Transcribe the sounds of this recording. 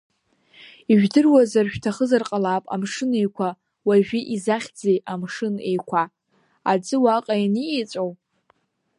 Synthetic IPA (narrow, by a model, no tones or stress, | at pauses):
iʒᶣdɨrwazarʃᶣtʰaχəzarqʼalapʼa̰mʂɨne̞jkʷʰa | waʒᶣiʔizaχʲd͡zejʔamʂɨne̞jkʷʰa | ad͡zɨwaqʼajiniet͡sʷʼow